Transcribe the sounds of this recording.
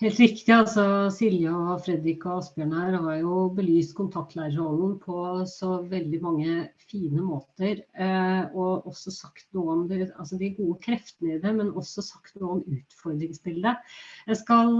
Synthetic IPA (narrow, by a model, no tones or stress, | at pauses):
heːlt̪ɾɪkt̪ɪɑlsɔsɪljɑɔfɾɛd̪ɾɪkɔɑsbjøːɳæːɾʋɑɾjʊbəlyːst̪kʰʊnt̪ʰɑk̚t̪læɪɾəɾɔnnpʰɔsɔʋɛld̪ɪmɑŋːəfiːnəmoːt̪əɾ | ɔʔɔsːɔsɑkt̪nuːɔmd̪ɛɑlsɔd̪ɪæɡuːəkʰɾɛft̪ənəɪd̪ɛmɛnɔsːɔsɑkt̪nuːɔmʉːt̪fɔɾd̪ɾɪŋsbɪld̪əjæɪskɑl